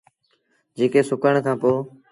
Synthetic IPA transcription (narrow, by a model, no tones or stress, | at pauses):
d͡ʒeːkeːsʊkəɳ̃kʰãːpoː